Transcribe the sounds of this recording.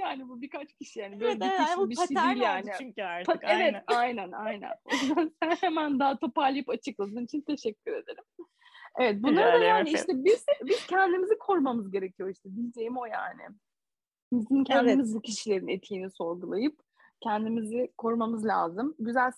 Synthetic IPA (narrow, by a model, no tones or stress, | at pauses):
jaːnibubikat͡ʃcʰiʃijaːnibøːlʲeiiʃbiiijaːnɪpʰaevɛt̪ajnænajnæ̰nojuzansænhemænd̪at̪ʰo̞paɾlˠajipat͡ʃʰɯklˠad̪ɯːnit͡ʃʰint̪ʰe̞ʃɛcʰʲːyɾe̞d̪e̞ɾim | evɛt̪̚bunlˠaɾad̪ajaːniiʃt̪ʰɛbiz̥biz̥cʰɛnd̪imizikʰo̞ɾmamɯzɟe̞ɾe̞cʰijo̞iʃt̪ʰɛd̪ilʲd͡ʒe̞jimo̞ja̰ːnɪ̰ | bizincʰɛnd̪imizbucʰiʃilʲe̞ɾinet̪ʰijːniso̞ɾɡulˠajɯp̚ | cʰɛnd̪imizɪkʰo̞ɾmamɯzlʲa̰ːzɯmɟyzælʲ